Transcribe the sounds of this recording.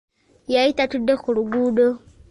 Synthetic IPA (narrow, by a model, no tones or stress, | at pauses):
jaitatudːexuluɡuːdo